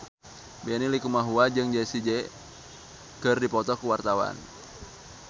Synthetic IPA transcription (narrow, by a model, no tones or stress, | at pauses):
bɛnilikumaɦuad͡ʒɨŋd͡ʒɛsid͡ʒɛ | kɨrdipɔt̪ɔkuwart̪awa̰n